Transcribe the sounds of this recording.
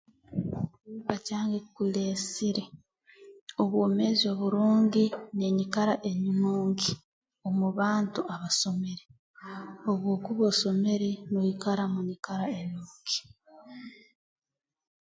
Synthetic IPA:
upacaːŋɡekule̞ːsiɾe | oβwoːme̞zio̞βuɾuːɲɟine̞ɲikaɾaʔe̞ɲinuːŋɡi | o̞muβaːntuaβaso̞me̞ɾe | o̞βwo̞ːkuβoso̞me̞ɾenojikaɾamuɲikaɾaenuːŋɡi̥

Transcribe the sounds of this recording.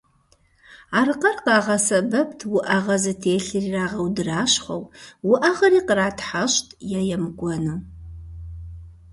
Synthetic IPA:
aːrqɐrqɑːʁɐsɐbɐptʰwʊʔɐʁɐzɨtʰeːɬɨriraːʁɐwdɨraːɕχʷɐ̰wwʊʔɐʁɐɾiːqəraːtʰħaɕtʰʼjɛjɛmɡʷɔnɨ

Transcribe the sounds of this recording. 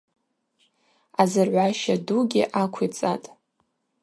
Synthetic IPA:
azɨrʕʷaʃaduɡʲɪʔakʷʰit͡sʼatʼ

